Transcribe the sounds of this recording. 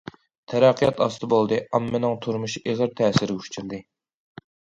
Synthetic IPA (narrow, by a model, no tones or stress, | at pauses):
t̪ʰɛɾɑqʰːijɑt̪ɑst̪ɨbolˠd̪ɨɑmːɪnɨŋt̪ʰuɾmuʃiʔeʁəɾt̪ʰɛːsɪɾuʃt͡ʃʰyɾd̪ɨ